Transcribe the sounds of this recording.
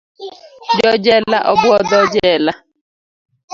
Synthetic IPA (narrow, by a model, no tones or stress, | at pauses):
d͡ʒɔd͡ʒɛlaʔɔbʊɔd̪ɔd͡ʒɛla